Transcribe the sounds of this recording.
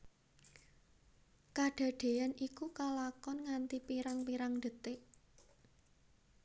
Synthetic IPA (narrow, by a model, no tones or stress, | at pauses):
kaɖ̥a̤ɖ̥e̤anikukalakɔnŋant̪ipiɾaŋpiɾaŋd̪ə̤t̪ɪʔ